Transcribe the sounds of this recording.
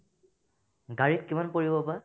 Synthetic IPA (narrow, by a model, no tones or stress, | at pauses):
ɡaɹitkimanpoɹibɔpa